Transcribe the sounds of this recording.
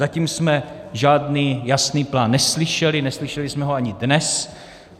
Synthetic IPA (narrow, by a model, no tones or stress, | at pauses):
aciːmsmɛʒaːdniːjasniːplaːnːɛslɪʃɛlɪnɛslɪʃɛlɪsmɛɦoaɲɪdnɛs